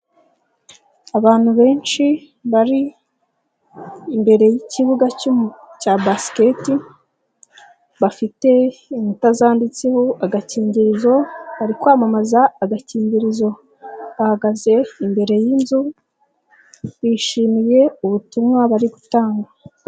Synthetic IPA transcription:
aβaːn̥huβe̞ːnt͡ʃi | βaɾi | mbe̞ɾe̞jiciβuɡacabaske̞ti | βafite̞inutazaːndit͡sehoaɡaciːɲɟiɾizo̞βaɾikwaːmamazaːɡaciːɲɟiɾizo̞ | βahaɡaze̞imbe̞ɾe̞jinzu | βiːʃiːmije̞uβutumŋaβaɾiɡutaːŋɡa

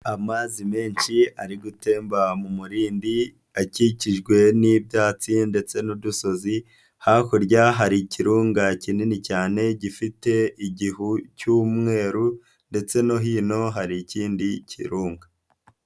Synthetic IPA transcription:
amazime̞ːnʃiaɾiɡute̞ːmbamumuɾiːndi | aciciʒɡwe̞nibjaːt͡sinde̞t͡se̞nuduso̞zi | haːkoɾɟaɦaɾiciɾuːŋɡacininicaːne̞ɟifite̞iɟihucuːmŋe̞ːɾu | nde̞t͡se̞no̞ɦiːno̞ɦaɾiciːndicʰḭɾuːŋɡa

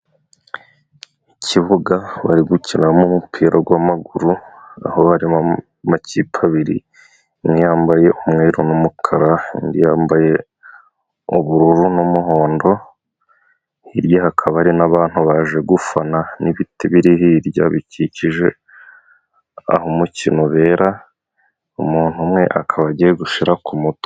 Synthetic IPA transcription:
iciβuɡaβa̰ɾiɡucinamumupʰiːɾaɡwamaɡuɾua̰hoβaɾi | macipʰaβiɾḭ | nijaːmbaje̞ʔumŋeːɾunumukʰaɾaḭndijaːmbaje̞ | uβuɾuɾunumuɦo̞ːndo̞ | hiɾjahakʰaβaɾinaβaːn̥huβaːʒe̞ɡufananiβitiβiɾiɦiɾɟa̰βiciciʒe̞ | a̰homucinoβe̞ːɾa | umuːn̥humŋe̞ʔakʰaβaɟieɡuʃiɾakumuto̥

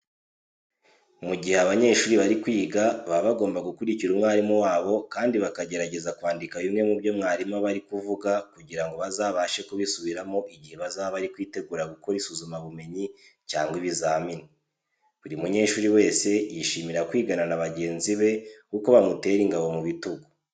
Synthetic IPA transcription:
muɟiheaβaɲe̞ːʃuːɾiβaɾikwiːɡaβaβaɡo̞ːmbaɡukuɾiciɾumŋaːɾimuwaːβo̞kaːndiβakaɟe̞ɾaɟe̞zakwaːndikaβimŋe̞mubjo̞mŋaːɾimaβaɾikuvuɡakuɟiɾaŋɡo̞βazaːβaʃe̞kuβisuβiɾamo̞ʔiɟihe̞βazaβaɾikwiːte̞ɡuɾaɡuko̞ɾisuzumaβume̞ɲicaːŋɡwiβizamini | βuɾimuɲe̞ːʃuːɾiwe̞ːse̞jiʃimiɾakwiːɡananaβaɟe̞ːnziβe̞kuko̞βamute̞ɾiŋɡaβo̞muβituɡo

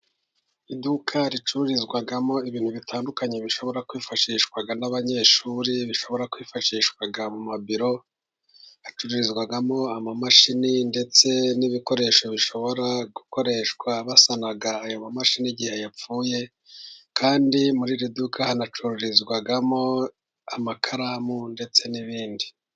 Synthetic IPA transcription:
idukʰaɾit͡ʃuɾuɾizɡwaɡamo̞iβiːn̥huβitʰaːndukaɲeβiʃo̞βo̞ɾakwiːfaʃiːʃkwaɡanaβaɲe̞ːʃuɾiβiʃo̞βo̞ɾakwiːfaʃiːʃwaɡamumabiɾo̞ | at͡ʃuɾuɾizɡwaɡamo̞amamaʃininde̞t͡se̞niβiko̞ɾe̞ʃo̞βiʃo̞βo̞ɾaɡuko̞ɾe̞ʃkwaβasanaɡaːjo̞mamaʃiniɟihe̞jap͡fuːje̞ | kʰaːndimuɾiɾidukʰahanat͡ʃuɾuɾizɡwaɡamo̞ | amakʰaɾamunde̞t͡se̞niβiːndi

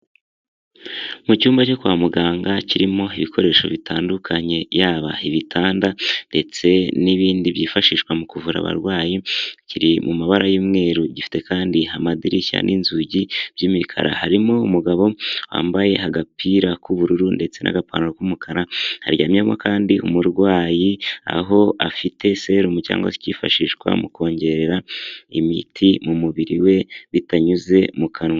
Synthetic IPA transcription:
mucuːmbaco̞kuwamuɡaːŋɡaciɾimo̞iβikʰo̞ɾe̞ːʃo̞βitʰaːndukʰaɲe̞jaːβaiβitʰaːndande̞t͡se̞niβiːndiβjiːfaʃiːʃkwamukuvuɾa̰βa̰ɾɡwaːjiciɾimumaβaɾajuːmŋe̞ːɾuɟifi̥te̞kaːndiamadiɾiça̰nʔinzuɟib̥jimikʰa̰ɾa̰haɾimo̞umuɡaβo̞wa̰ːmbaje̞haɡapʰiɾakuβuɾuɾunde̞t͡se̞nʔa̰ɡapa̰ːnaɾokumukʰaɾaha̰ɾɟaːmiemokʰaːndiʔumuɾɡwaːjia̰ɦo̞ʔa̰fitʰe̞se̞ɾumuca̰ːŋɡa̰si̥ciːfaʃiʃɡwa̰muko̞ːɲɟe̞ɾeɾaḭmitʰimumuβiɾiwe̞βitaɲuze̞mukʰanwa

